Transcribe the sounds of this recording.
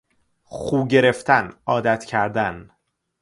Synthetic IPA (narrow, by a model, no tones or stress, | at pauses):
χuːɟe̞ɾe̞ft̪ʰænɒːd̪æt̪ʰcʰæɾd̪æn